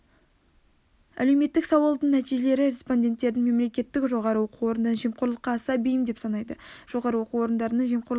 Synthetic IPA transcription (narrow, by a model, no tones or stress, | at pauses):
æ̰le̞wme̞t̪ːɪksɑwɑlˠd̪əɴnæt̪iʒe̞le̞ɾɪɾe̞spo̞nʲdʲe̞nt̪ːe̞ɾd̪ɪŋme̞mle̞kʲe̞t̪ːɪkʒo̞ʁɑɾəwo̞quo̞ɾənd̪ɑɴʒijmqʰʊɾlˠəqːɑːsɑbejɪmd̪e̞psɑnɑjd̪əʒ̥o̞ʁɑɾəwo̞quwo̞ɾənd̪ɑɾənəɴʒijmqʰʊɾlˠ